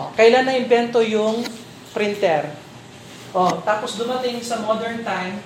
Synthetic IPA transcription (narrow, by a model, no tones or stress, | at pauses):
kɐʔɪlanːɐʔɪmbɛnt̪ojʊŋ | pɾɪnt̪ɛɾ | ʔot̪aːposd̪ʊmɐt̪ɪŋsɐmod̪ɛɹnt̪ajm